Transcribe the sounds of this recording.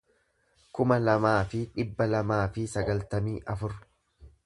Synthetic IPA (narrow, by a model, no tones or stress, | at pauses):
kʊmɐlɐmaːfɪᶑɪbːɐlɐmaːfɪsɐɡɐlt̪ɐmiːʔɐfʊɾ